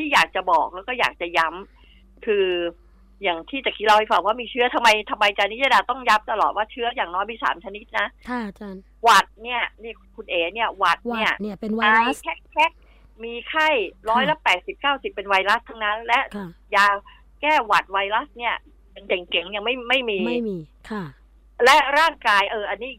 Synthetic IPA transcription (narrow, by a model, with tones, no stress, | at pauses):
t̪ʰiː˥˩jaː˨˩k̚t͡ɕa˨˩bɔː˨˩k̚lɛː˦˥wkɔː˥˩jaː˨˩k̚t͡ɕa˨˩ja˦˥m | kʰɯː˧ | jaː˨˩ŋt̪ʰiː˥˩t͡ɕa˨˩kʰi˦˥t̪̚la˧wha˥˩jfa˧˩ŋwaː˥˩miː˧t͡ɕʰɯ˦˥ɐ˩t̪ʰa˧mːa˧jt̪ʰa˧mːa˧jt͡ɕa˧ni˦˥ja˧daː˧t̪ɔ˥˩ŋja˦˥p̚t̪a˧lɔː˨˩t̪̚waː˥˩t͡ɕʰɯ˦˥ɐjaː˨˩ŋnɔː˦˥jma˧sa̰ː˩˦mt͡ɕʰa˧ni˦˥t̪̚na˦˥ | wa˨˩t̪̚ni˥˩ɐniː˥˩ | kʰu˧nʔeː˨˩ni˥˩ɐwa˨˩t̪̚ni˥˩ɐ˧a˧jkʰɛ˦˥˩kʰɛ˦˥k̚ | miː˧kʰa˥˩jɾɔː˦˥jla˦˥pɛː˨˩t̪̚si˨˩p̚kaː˥˩wsi˨˩pːe˧nwa˧jla˦˥st̪ʰa˦˥ŋna˦˥lɛ˦˥ʔjaː˧w | kɛː˥˩wa˨˩t̪̚wa˧jla˦˥sni˥˩ɐ | a˧nte˨˩˦ŋke˨˩˦ŋja˧ŋma˥˩jma˥˩jmiː˧kʰ | lɛ˦˥ɾaː˥˩ŋkaː˧jʔɤː˧ʔa˧nːiː˦˥i˨˩